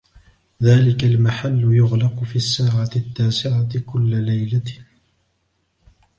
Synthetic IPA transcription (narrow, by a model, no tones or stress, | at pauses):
ðaːlɪkalmaħalːʊjʊɣlɑqʊfiːasːaːʕat̪ɪt̪ːaːsɪʕat̪kʊlːalajla